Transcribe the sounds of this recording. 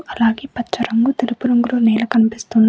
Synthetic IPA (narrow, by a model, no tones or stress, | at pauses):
ʔɐlaːɡeːpɐt͡ʃːɐɾɐŋɡut̪ilupuɾɐŋɡuloːnɛːlɐkɐnipist̪und̪